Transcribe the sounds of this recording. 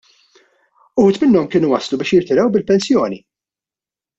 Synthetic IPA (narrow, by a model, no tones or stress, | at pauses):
ut̪mɪnːɔmkɪːnuwɐslubɪːʃjɪɾt̪ɪɾɐwbɪlpɛnsjɔːni